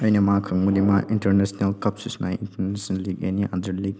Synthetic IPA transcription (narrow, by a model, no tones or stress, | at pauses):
əjnɐmakʰɐŋmunima̰ʔintɐɾnesnelkapsisnajḭntɐɾnesnlːiɡḛniʔa̰dɐɾliɡ̚